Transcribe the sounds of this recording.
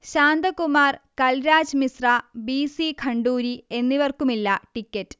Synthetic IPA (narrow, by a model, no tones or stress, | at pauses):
ɕaːnd̪ɐkumaːrkɐlɾaːd͡ʑmisrabiːsikʰɐɳɖuːɾie̞nːiʋɐrkumilːɐʈikʲːɐtːɨ̥